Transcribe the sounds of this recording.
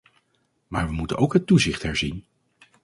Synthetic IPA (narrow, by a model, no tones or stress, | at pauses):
maːɹʋəmutə̰nowkɦətːuzɪχtɦɛɹzin